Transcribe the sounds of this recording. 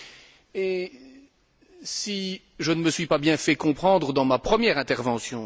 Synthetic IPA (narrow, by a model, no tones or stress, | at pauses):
e | si | ʒənəməsɥipabjɛ̃fɛkɔ̃pχɑ̃d̪ʁəd̪ɑ̃mapχəmjɛʁɛ̃t̪ɛʁvɑ̃sjɔ̃